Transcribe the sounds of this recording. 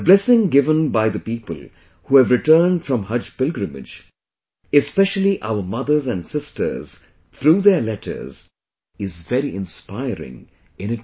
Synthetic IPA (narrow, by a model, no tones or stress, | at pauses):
əblɛsɪ̃ŋɡɪvə̃nbaɪðəpiːpəlˠ | huævɾɨʈɜːnd̥fɹʌ̃mhʌd͡ʒpɪlɡɾɨmɪ̰d͡ʒ | ɨspɛʃəlˠiʔa̰ʊə˞mʌðə˞zæ̃nsɪstʰə̰˞z̥ | t̪ʰɾuːðə˞lɛtʰə̰˞z̥ | ɪzvɛɾiʔɪ̃nspaɪɾɪ̰̃ŋ | ɪ̃nɪt